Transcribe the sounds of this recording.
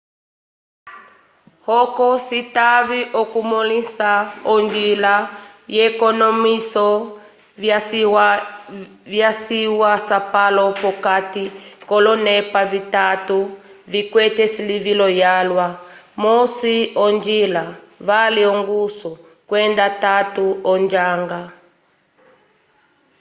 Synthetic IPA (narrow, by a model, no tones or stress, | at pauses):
hɔkɔsitaviʔɔkumɔlisaɔnd͡ʒila | jɛkɔnɔmisɔ | vjasiwasapalɔpɔkatikɔlɔnɛpavitatuvikwɛtɛsilivilɔjalwamɔsiɔnd͡ʒilavaliɔŋɡusɔ | kwɛndatatuɔnd͡ʒaŋɡa